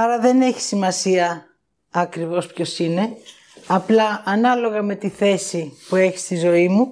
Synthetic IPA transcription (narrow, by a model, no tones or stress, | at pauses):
ɐɾɐðe̞ne̞çi̥simɐsiɐː | kɾivo̞spço̞sine̞ | ɐplɐɐnɐlo̞ɣɐme̞t̪iθe̞sipue̞çi̥st̪izo̞imu